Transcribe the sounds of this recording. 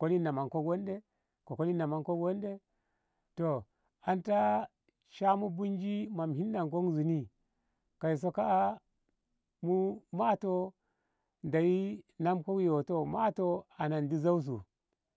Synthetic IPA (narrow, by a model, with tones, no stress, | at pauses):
ko˦li˦na˨ma˨ŋko˦ɡo˦nde˦ | ko˨ko˦li˦na˨ma˨nko˦wo˦nde˦ | to˨ | a˨nta˦ | ʃa˦mu˦bu˦nd͡ʒi˦ma˨mɦi˦nːa˨ŋk̬o˦ŋzu˨ni˦ | ka˨i˨s̬o˦ka˦a˦ | mu˦ma˦˨to˦ | nda˨ji˦na˦mko˦kjo˨to˨ma˦to˦a˨na˨ndi˦za˦u˦s̬ṵ˨